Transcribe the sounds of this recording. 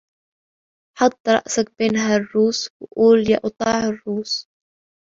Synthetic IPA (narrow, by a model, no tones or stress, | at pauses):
ħɑt̪ˤːɾˤɑ̰ʔsak̚beːnɦarˤːuːswʔuːlja̰ːʔʊt̪ˤɑːʕɪrːuːs